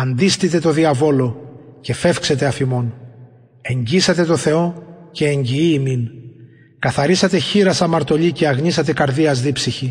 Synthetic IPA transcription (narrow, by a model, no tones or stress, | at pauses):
ɐnd̪ist̪it̪e̞t̪o̞ðiɐvo̞lo̞ce̞fe̞fkse̞t̪e̞ɐfimo̞n | e̞ɲɟisɐt̪e̞t̪o̞θe̞o̞ce̞ːɲɟiiːmin | kɐθɐɾisɐt̪e̞çiɾɐsɐmɐɾt̪o̞ʎice̞ɐɣɲisɐt̪e̞kɐɾðiɐzðipsiçi